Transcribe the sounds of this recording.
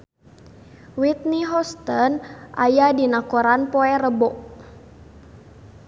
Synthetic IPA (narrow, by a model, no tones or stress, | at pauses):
wit̪̚niɦɔst̪ənʔajadinakoɾanpɔɛɾəbɔʔ